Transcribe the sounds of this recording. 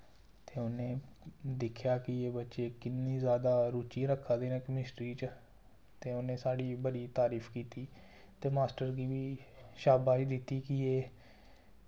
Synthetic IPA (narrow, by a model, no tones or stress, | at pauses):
t̪eːʊnẽːd̪ɪkʰjaːkɪeːbətːʃeːkɪnːĩːzjaːd̪aːɾuːt͡ʃĩːɾəkʰːaːd̪eːneːkəmɪsʈɾiːt͡ʃ | t̪eːʊnẽːsaːɽiːbəɽiːt̪aːɾiːpʰkiːt̪iː | t̪eːmaːsʈəɾɡiːʋiːʃaːbaːt͡ʃd̪ɪt̪ːiːkɪeː